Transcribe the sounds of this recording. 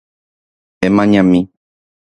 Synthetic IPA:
ẽmãɲãmĩ

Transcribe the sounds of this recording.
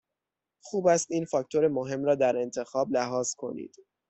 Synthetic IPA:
xuːbæst̪iːnfɒːct̪ʰo̞ɾemoɦe̞mɾɒːd̪æɾe̞nt̪ʰe̞xɒːblæɦɒːz̥kʰo̞̰nḭd̪̥

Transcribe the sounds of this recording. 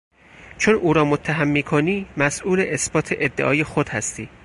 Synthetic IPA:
t͡ʃʰonʔuːɾɒːmot̪ʰːæɦæmːiːkʰoniːmæsʔuːleʔesbɒːt̪ʰeʔed̪ːeʔɒːjexod̪hæst̪iː

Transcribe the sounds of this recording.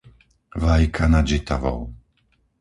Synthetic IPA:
ʋajkʰanad͡ʒit̪a̰ʋɔ̰w

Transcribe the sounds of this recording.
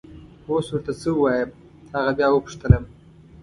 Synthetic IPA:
oswʊɾt̪asəuwɑjəm | haɣabjɑwəpʊ̥ʂt̪ələm

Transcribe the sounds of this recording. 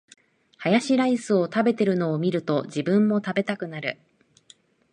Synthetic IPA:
hajaɕiɾaisɨo̞t̪abe̞t̪e̞ɾɯ̟no̞ːmʲiɾɯ̟t̪o̞d͡ʑibɯ̟̃mːo̞t̪abe̞t̪akɯ̟naɾɯ̟̰

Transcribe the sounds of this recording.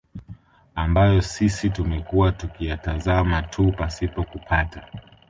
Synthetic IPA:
ambajɔsisitumɛkuwatukijatazamatʰupasipɔkupʰata

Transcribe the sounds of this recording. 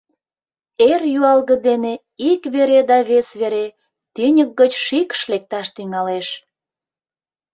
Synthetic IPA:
erjyɑlɣə̆d̪ene | ikβeɾed̪ɑβesβeɾe | t̪ynʲək̚ɡət͡ɕʃikʃlek̚t̪ɑʃt̪yŋɑleʃ

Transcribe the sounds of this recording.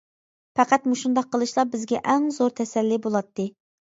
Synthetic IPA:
pæqæt̪muʃund̪ɑqʰːəlˠɨʃlˠɑbɪzɡʲɛʔɛŋzoɾt̪ʰɛsɛlːibolˠɑt̪ʰːɨ

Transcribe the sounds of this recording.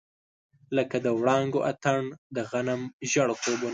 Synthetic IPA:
ləkad̪əwɽɑŋɡoʔat̪aɳd̪əɣanamʒaɽkobon

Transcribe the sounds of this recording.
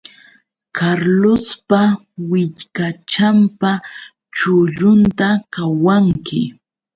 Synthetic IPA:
kʰaɾlospa | wɪʎkat͡ʃampa | t͡ʃʊʎʊnt̪akawaŋkɪ̰

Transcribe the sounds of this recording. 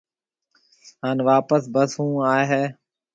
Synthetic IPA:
ɦaːnʋaːpəsbəsɦũːaːɦeː

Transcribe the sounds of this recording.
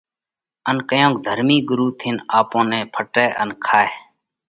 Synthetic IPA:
ənkəjõːk̚d̪ʱəɾmiːɡʊɾuːt̪ʰɪnaːpõːnɛ̃ːpʰəʈeːʔənkʰaːeː

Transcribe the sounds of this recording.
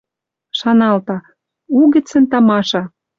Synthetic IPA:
ʃɑnɑlt̪ɑ | uɣɘ̆t͡sə̆nt̪ɑmɑʃɑ

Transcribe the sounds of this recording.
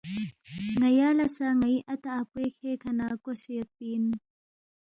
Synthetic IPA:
ŋajalɐsaŋaiʔat̪aʔːpwekʰekʰanakosek̚pin

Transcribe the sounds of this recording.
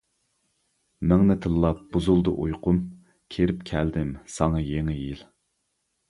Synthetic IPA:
mɛŋnɪt̪ʰɨlːˠɑp̚b̥uzulˠd̪ɨʔujqʰʊm | kʲʰeɾɪpkʲʰæld̪ɪmsɑŋɑjeŋɪjil

